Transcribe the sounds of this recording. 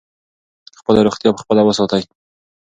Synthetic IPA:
xpəlaɾoχt̪jɑpə̥xpəlawəsɑt̪aj

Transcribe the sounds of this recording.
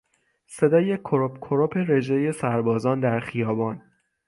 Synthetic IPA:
se̞d̪ɒːjekʰoɾopkʰoɾopʰe̞ɾe̞d͡ʒeje̞sæɾbɒːzɒːnd̪æɾxijɒːbɒːn

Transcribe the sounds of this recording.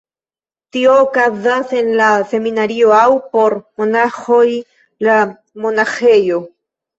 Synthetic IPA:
tioːkazase̞nlase̞minaɾio̞awpo̞ɾmonaxo̞j | la | mo̞naxe̞jo̞

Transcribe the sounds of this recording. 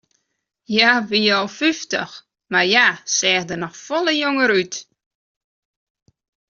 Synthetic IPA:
jaʋijɔlˠfyftə̰x | marjasɛːxdənɔxfɔlˠəjoŋəɾyt

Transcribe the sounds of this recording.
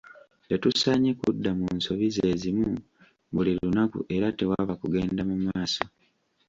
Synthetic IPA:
tetusaɲekudːamunso̞βize̞ːzimu | βulilunakṵʔe̞ɾate̞waβakuɡe̞ːndamumaːso

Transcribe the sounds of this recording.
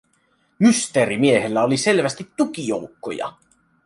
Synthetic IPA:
myst̪eɾimie̞helːæolise̞lʋæst̪it̪ːukijo̞̰ukːo̰jɑ̰

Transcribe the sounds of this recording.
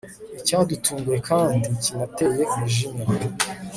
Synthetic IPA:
icadutʰuːŋɡuje̞kʰaːndicinate̞je̞umuʒima

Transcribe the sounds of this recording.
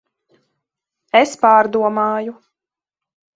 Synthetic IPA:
espaːɾd̪uɔmaːju

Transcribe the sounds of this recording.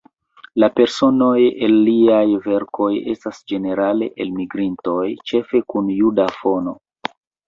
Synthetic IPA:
lape̞ɾso̞no̞jelːiajve̞ɾkʰo̞je̞̰stasd͡ʒe̞ne̞ɾale̞̰ʔelmiɡɾinto̞jt͡ʃe̞fe̞kunjudafo̞no̞̰

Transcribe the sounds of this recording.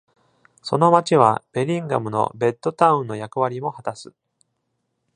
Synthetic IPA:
so̞no̞mat͡ɕiβ̞a̰b̥e̞ɾʲĩŋɡa̰mɯ̟no̞̰be̞t̪ːo̞t̪aɯ̟̃nːo̞jakɯ̟βaɾʲimo̞hat̪asɨ

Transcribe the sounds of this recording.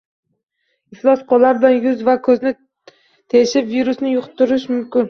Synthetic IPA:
ɪflˠɒsqʰɒlːaɾbɪlanjʊzvakʰɵznɪ | t̪ʰeɪʃɪpviɾʊsnɪjʊqʰt̪ʰːʊɾɪʃmʊmkʲɪn

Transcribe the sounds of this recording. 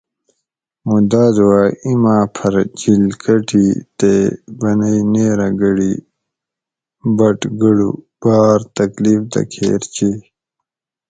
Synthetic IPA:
mud̪aːzwaːimãːpʰɐɾt͡ɕilkɐʈʰiːt̪ebɐnɐjneːɾaɡɐɽi | bɐʈɡəɽṵ | b̥aːɾt̪ɐkliːfd̪ɐ̰kʰḛːɾt͡ɕe

